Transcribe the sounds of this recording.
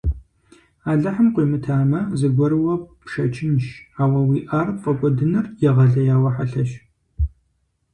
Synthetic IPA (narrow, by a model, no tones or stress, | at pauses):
aːɮɐħəmqʷiːmɨtʰaːmɐzɨɡʷɔɾɨwɐpʃɐt͡ʃʰʼɪnʃaːwɐwiːʔaːrfʼɐkʷʼɔdɨnɨrjɛʁɐɮɐjaːwɐħaɬɐʃ